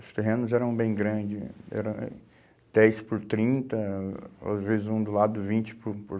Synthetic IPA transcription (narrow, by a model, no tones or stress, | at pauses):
ʊst̪eɦẽnʊzɛɾɐ̃w̃bẽj̃ɡɾɐ̃d͡ʒɪɛ̰ɾɐ̃w̃ | d̪̥ɛjspʊɾt̪ɾĩnt̪ɐa̰zvezɪzũd̪ʊlad̪ʊvĩt͡ʃɪ̥pʊpʊɾ